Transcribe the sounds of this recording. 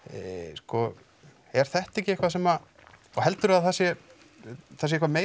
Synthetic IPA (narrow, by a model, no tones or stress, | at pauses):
skɔ | ɛɾ̥θɛht̪ɛhcɪejhkvasɛma | ɔhɛl̪t̪ʏɾaðθasjɛ | θas̬ɪehkvameː